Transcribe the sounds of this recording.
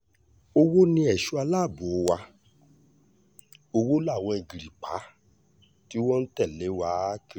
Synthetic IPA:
o˧wo˦nĩ˧˦ɛ˨ʃu˨˦a˧laː˦˨bo˨o˧˦wa˧ | o˧wo˦la˦˨w̃ɔ̃˧i˨ɡi˨ɾi˨k͡pa˨˦ | ti˦wɔ̃˦n̩˦tɛ˦˨le˨˦wa˦ki˧

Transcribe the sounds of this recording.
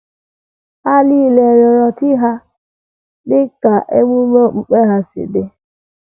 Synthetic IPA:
a˦li˦˨le˨ɾɔ˨ɾɔ˨tɪ˦ɦa˦ | dɪ˦ka˨ʔe˦ŋʷu˦me˦ŋ͡m̩˨k͡pe˦ɦa˦sɪ̰˨dɪ˦

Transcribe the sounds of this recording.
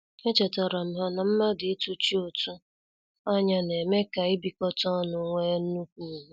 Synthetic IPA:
e˦t͡ʃe˨ta˨ɾa˨m̩˦ɦa˦na˨m̩˦ma˦dɪ˨e˦tu˦t͡ʃi˦o˨tu˦ | a˦ɲa˦ne˨me˦ka˨ɪ˦bi˨kɔ˦tɔ˦nʊ˨ŋʷe˦n̩˦nu˦kʷu˦˨ɦ

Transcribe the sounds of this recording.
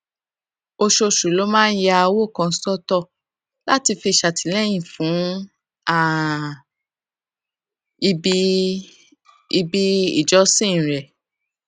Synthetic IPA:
o˧ʃo˧ʃu˨˦lo˦mãː˦n̩˦ja˦˧a˧wo˦˨kã˧˦sɔ˦tɔ˦˨ | la˦ti˧fi˧˨ʃa˨tʰi˨˦lɛ˦˨j̃ĩ˨fũ˨˦ | a˦˨ | i˧bi˦ | i˧bi˦ḭ˦˨d͡ʒɔ˨˦sĩ˦˨ɾɛ˨

